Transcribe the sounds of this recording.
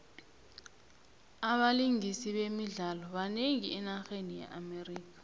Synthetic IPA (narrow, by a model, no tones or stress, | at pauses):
aɓaliŋisiɓemiɮalɔɓaneŋiɛnaxenijɛ̰ʔameriːk̬ḁ